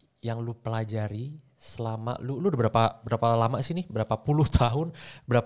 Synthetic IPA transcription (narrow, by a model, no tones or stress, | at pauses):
jaŋlupəlad͡ʒaɾi | səlama̰ʔlulubəɾapabəɾapalamaʔsinɪbəɾapapulʊht̪ʰaɦʊnbəɾa